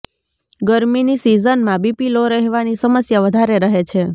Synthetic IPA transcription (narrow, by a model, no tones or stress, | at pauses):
ɡəɾminisizənmãbipiloɾəɦʋanisəməsjaʋəd̪ʱaɾeɾəɦet͡ʃʰe